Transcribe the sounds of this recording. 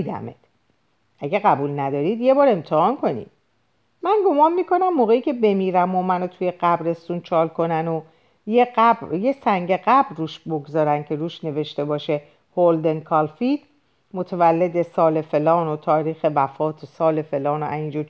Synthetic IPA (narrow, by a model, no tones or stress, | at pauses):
d̪æ̰mḛd̪̥ | ʔæɟeɣæbuːlnæd̪ɒːɾid̪jebɒːɾe̞mt̪ʰehɒnkʰo̞nḭd̪̥ | mænɡo̞mɒːnmiːkʰo̞næmːoːɣeiːcʰe̞be̞miːɾæmomænot̪ʰuje̞ɢæbɾe̞st̪uːnt͡ʃʰɒːlkʰo̞næno | jeɢæbjesæŋɟe̞ɢæbruːʃbo̞ɡzɒːɾæncʰe̞ɾuːʃne̞ve̞ʃt̪e̞bɒːʃe̞ | hold̪e̞nkʰɒlfid̪̥ | mot̪ʰevælːe̞d̪esɒːle̞fe̞lɒːnot̪ʰɒːɾiːxe̞væfɒːt̪ʰosɒːle̞fe̞lɒːnoæiːnd͡ʒu